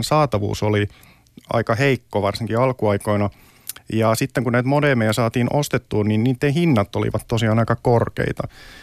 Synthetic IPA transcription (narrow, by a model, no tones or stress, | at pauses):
nsɑːt̪ɑʋṵːsoli | ɑ̰ikɑheikːoʋɑrsiŋkiɑlkuɑikoinɑ | jɑsit̪ːeŋkunæit̪modemejæsɑːt̪iːnʔost̪et̪ːuːnninniːt̪ːehinːɑt̪ːolḭʋɑt̪t̪osiɑːnɑikɑkorkḛit̪ɑ